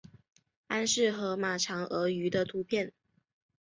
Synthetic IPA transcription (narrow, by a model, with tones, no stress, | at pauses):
a˥nʂɻ̩˥˩xɤ˧˥ma˨˩ʈ͡ʂʰɑ˧˥ŋɤ˧˥y˧˥d̪ə˧t̪ʰu˧˥pʰjɛ˥˩n